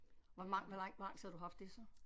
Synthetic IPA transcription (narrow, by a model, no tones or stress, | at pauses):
ʋɒmɑ̈ŋʋælɑŋ̰̥ʋɑ̈ŋ̰shæd̥uɦɑ̈fd̥ːe̝sɒ